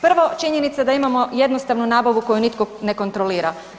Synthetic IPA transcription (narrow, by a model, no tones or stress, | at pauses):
pr̩ʋo̞t͡ʃiɲe̞nit̪sad̪aimamo̞je̞d̪no̞st̪aʋnunaːbaʋuko̞junit̪kone̞ko̞nt̪ɾoliːɾa